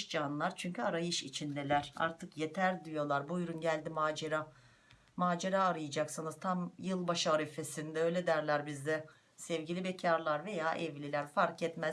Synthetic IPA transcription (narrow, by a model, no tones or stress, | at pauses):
ʃd͡ʒanlˠaɾt͡ʃʰyɲcʰyaɾajɯʃit͡ʃʰind̪elʲæɾ̥a̰ɾt̪ʰɯkje̞t̪ʰæɾd̪ijo̞lˠaɾbujɾunɟælʲd̪imaːd͡ʒeɾa | maːd͡ʒeɾaːɾɯjad͡ʒaksɯnɯz̥t̪ʰamjɯlˠbaʃaaɾife̞sind̪ɛø̞jlʲed̪æɾlʲæɾbizd̪ɛ | sɛvɟilʲibecʰaɾlˠaɾve̞jaːʔɛvlʲilʲæɾfaɾkɛt̪mæz